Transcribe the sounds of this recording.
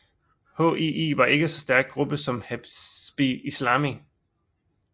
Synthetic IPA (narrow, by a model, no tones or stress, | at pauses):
ho̰iḭːʋɑ̈ʔe̝ɡ̥əsɒ̽sd̥æɐɡ̥̚ɡ̥ʁub̥əsɒ̽mhæ̥b̥iislɑ̈ːmi